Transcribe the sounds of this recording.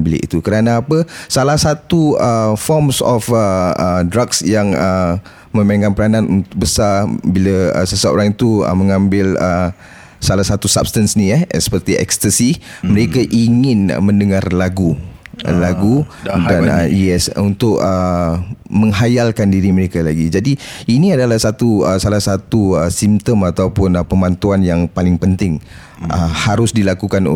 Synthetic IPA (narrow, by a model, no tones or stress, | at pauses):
bilḭʔḭt̪ukəɾanaːpəsalahsat̪uəfɔmsɔ̰fəədɾaksjaŋə | mə̃maŋkanpəɾananunt̪ʊk̚bəsabiləə̰səsao̰ɾaŋit̪uə̰məŋãmbɪlə | salahsat̪usa̰p̚st̪ansniɛɛsə̥pərt̪iɛ̰kst̪əsiməɾekaʔiŋɪn̰mə̃ndəŋarlaɡṵlaɡudanəjɛsunt̪ʊk̚ə | mə̃ŋɦajalkandiɾiməɾekalaɡid͡ʒadiiniadalahsat̪uəsalahsat̪uəsimt̪əmat̪awpʊnpəmant̪uanjaŋpalɪŋpənt̪ɪŋ | əhaɾʊsdilakukan